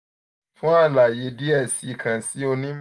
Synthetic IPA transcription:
fũ˦a˦˨la˨je˨˦di˦ɛ˦˨si˨˦i˦˨kʰã˨si˨˦o˧nĩ˦m

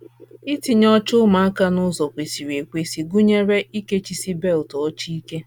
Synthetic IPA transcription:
i˦ti˨ɲɔ˦t͡ʃʊ˦ma˨a˦ka˦nʊ˦zɔ˨kʷe˨si˨ɾi˨e˨kʷe˨si˨ɡu˦ɲe˦ɾe˦i˦ke˦t͡ʃi˦si˦be˦˨ltɔ˨˦t͡ʃi˦i˦ke˦

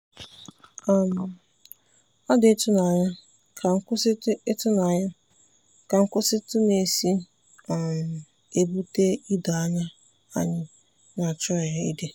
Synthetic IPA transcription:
a˨m̩˨ | a˦dɪ˨e˦tʊ˦na˨ɲa˦ | kʰa˨ŋ̩˦kʊ˦sɪ˦tʊ˦na˨ɲa˦ | ka˨ŋ̩˦kʊ˦sɪ˦tʊ˦ne˨si˦ | a˨m̩˨ | e˨bu˦te˦i˦da˨a˦ɲa˦ | a̰˦ɲɪ˦ | na˨t͡ʃɔ˦˨ja˨ḭ˦de˦

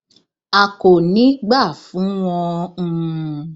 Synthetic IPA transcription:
a˨ko˨nĩ˨˦ɡ͡ba˦˨fũ˨˦w̃ɔ̃˧˦˧

